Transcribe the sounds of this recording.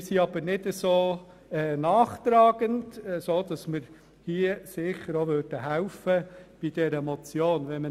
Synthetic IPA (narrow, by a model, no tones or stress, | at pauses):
siɑb̥əɾnɪdəsoː | ɛnɑːχt̪ɾɑːɡəndɛsoːd̥ɑsmɪɾ | hiəsɪχəɾoʋøɾd̥əɦæʊfəb̥id̥ɛɾəmɔt͡sjoːnʋɛnmə